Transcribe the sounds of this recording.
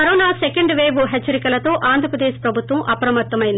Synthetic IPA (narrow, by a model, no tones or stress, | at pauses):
ɐɾɔːnaːsekɐɳɖʋeːʋuɦet͡ʃːɐɾikɐlɐt̪o̞ːʔaːnd̪ʱɾɐpɾɐd̪eːʃpɾɐbʱut̪ʋɐmʔɐpɐɾɐmɐɾt̪ːɐmɐjind̪